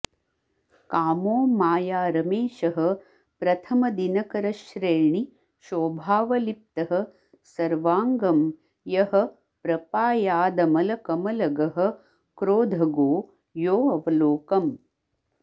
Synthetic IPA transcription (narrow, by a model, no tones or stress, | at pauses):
kaːmoːmaːjaːɾɐmeːʃɐɦɐ̆ | pɾɐt̪ʰɐmɐd̪inɐkɐɾɐʃɾeːɳi | ʃoːbʱaːʋɐlip̚t̪ɐɦɐ | sɐɾʋaːŋɡɐm | jɐhɐ̆ | pɾɐpaːjaːd̪ɐmɐlɐkɐmɐlɐɡɐɦɐ̆ | kɾoːd̪ʱɐɡoː | joːɐʋɐloːkɐm